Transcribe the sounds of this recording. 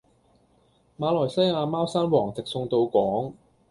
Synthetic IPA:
maː˨˧lɔː˨˩jsɐ˥jaː˧maː˥wsaː˥nwɔː˨˩ŋt͡sɪ˨k̚sʊ˧ŋt̪o˧wkʷɔː˨˥ŋ

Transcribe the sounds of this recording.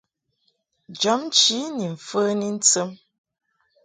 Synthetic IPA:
d͡ʒɔ˨˦m˦t͡ʃi˦ni˨ɱ̩˨fə˦ni˦n̩˦t͡sə˦m

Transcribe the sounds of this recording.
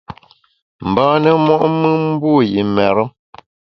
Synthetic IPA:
m̩˨bãː˦nə˦mwɔ˦ʔmɨ˦m̩˦bu˦jḭ˨mɛ˨ɾə˦m

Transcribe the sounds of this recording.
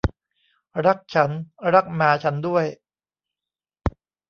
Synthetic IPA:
ɾa˦˥k̚t͡ɕʰa˦˥nɾa˦˥k̚maː˨˧˥t͡ɕʰa˦˥ndu˥˩əj

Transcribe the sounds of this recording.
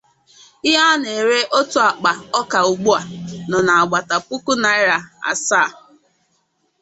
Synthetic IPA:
ɪ˦ɦa˦ne˨ɾe˦ʔo˦tu˦a˨k͡pa˨ɔ˦ka˨u˨ɡ͡bu˦a˨nɔ˨na˨a˨ɡ͡ba˨ta˨pu˦ku˦na˨ɪ˦ɾa˨a̰˨saː˦˨

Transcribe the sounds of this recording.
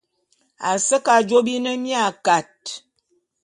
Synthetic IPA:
a˨sə˦ka˨d͡ʒo˦bi˦nə˦mja˦˨ka˨t̚

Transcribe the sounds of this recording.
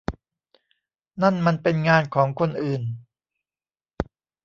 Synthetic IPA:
na˥˩nma˧npe˧nŋaː˧nkʰɔː˩˦ŋkʰo˧nʔɯː˨˩n

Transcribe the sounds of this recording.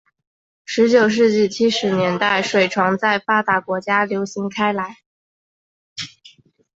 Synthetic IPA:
ʂɻ̩˧˥t͡ɕjo˨˩ʊʂ̬ɻ̩˥˧t͡ɕi˥˩t͡ɕʰi˥ʂɻ̩˧˥njɛ˧˥nt̪a˥˩ɪʂwe˨˩ɪʈ͡ʂʰwɑ˧˥ŋt͡sa˥˩ɪfa˥t̪a˧˥kwɔ˧˥t͡ɕja˥ljo˧˥ʊɕi˧˥ŋkʰa˥ɪla˧˥ɪ

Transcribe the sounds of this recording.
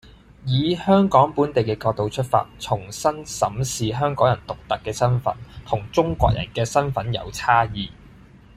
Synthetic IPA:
jiː˨˧hœː˥ŋkɔː˨˥ŋpuː˨˥nt̪e˨jkɛː˧kɔː˧k̚t̪o˨wt͡ʃʰɵ˥t̚fa̰ː˧t̚t͡sʰʊ˨˩ŋsɐ˥nsɐ˨˥msiː˨ɦœː˥ŋkɔː˨˥jɐ˨˩nt̪ʊ˨k̚t̪ɐ˨kːɛː˧sɐ˥nfɐ̰˨˥nt̪ʰʊ˨˩ŋt͡sʊ˥ŋkʷɔ̰ː˧k̚jɐ̰˨˩nkɛː˧sɐ˥nfɐ˨˥njɐ̰˨˧wt͡sʰaː˥jiː˨˧

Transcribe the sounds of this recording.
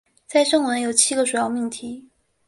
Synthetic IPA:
t͡sa˥˧ɪʂɤ˥˩ŋwə˧˥njo˨˩ʊt͡ɕʰi˥ɡə˨˧ʂu˨˩jɑ˥˧ʊmi˥˩ŋt̪ʰi˧˥

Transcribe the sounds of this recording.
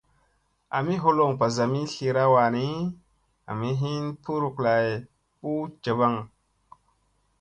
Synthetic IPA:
a̰˨mi˦ɦo˧lo˨ŋpa˨za˨mi˦ɬi˧ɾa˦wa˨ni˦ | a̰˨mi˦ɦi˦npu˦ɾu˨kla˨j | pu˦t͡ʃə˨ba˦ŋ

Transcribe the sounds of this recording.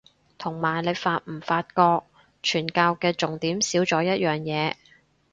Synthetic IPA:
t̪ʰʊ˨˩ŋmaː˨˩jle˨˧faː˧t̚m̩˨˩faː˧t̚kɔː˧k̚ | t͡ʃʰyː˨˩nkaː˧wkɛː˧t͡sʊ˨ŋt̪iː˨˥msiː˨˥wt͡sɔː˨˥jɐ˥t̚jœː˨ŋjɛː˨˧

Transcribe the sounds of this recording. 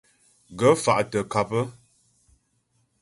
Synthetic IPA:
ɡə˦fa˨ʔtə˨ka˨pə˦

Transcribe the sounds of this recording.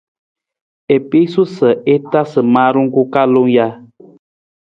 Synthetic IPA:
e˨pi˦su˦sə˨e˦ta˦sə˨maː˦ɾu˦ŋ˦ku˦ka˦lo˦ŋja˦

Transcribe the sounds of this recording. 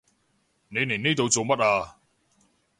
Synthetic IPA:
ne˨˧ne˨˩niː˥t̪o˨˧wt͡so˨wmɐ˥t̚aː˧

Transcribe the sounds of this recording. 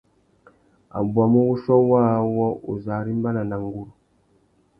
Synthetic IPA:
a̰˨bwa˨mu˦wu˦ʃɔ˦waː˦wɔ˦ʔṵ˨za˨ɾi˦m˦ba˦na˨na˨ŋ˦ɡu˦ɾu˨

